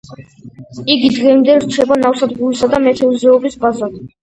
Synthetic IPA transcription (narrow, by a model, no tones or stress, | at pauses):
iɡid̪ʁɛmd̪ɛɾt͡ʃʰɛbanafsad̪ʁulisad̪amɛt̪ʰɛuzɛɔbisbazad̪